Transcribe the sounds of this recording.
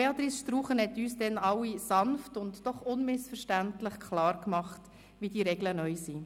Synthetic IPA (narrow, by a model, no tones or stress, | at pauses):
beɑt̪ɾisʃtɾuːχənhɛtyːsd̥ɛnɑwisɑnftʊntd̥ɔχʊnmɪsfəɾʃtæntlɪχkʰlɑːɾkmɑχt | viːdiːɾɛɡlənœʏsiː